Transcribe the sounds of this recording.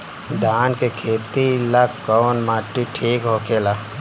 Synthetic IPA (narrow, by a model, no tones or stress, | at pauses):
d̪ʱaːnkekʰeːt̪ilakːɔːnmaːʈːiʈʰiːkɦoːkʰeːla